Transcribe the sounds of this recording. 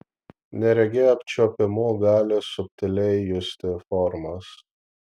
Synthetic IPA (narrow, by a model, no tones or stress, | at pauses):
nʲɛɾʲɛɡʲeɐp̚ʲt͡ʃʲopʲɪmoːɡɑːlʲɪsʊp̚ʲt̪ʲɪlʲɛɪjʊsʲt̪ʲɪfɔɾmɐs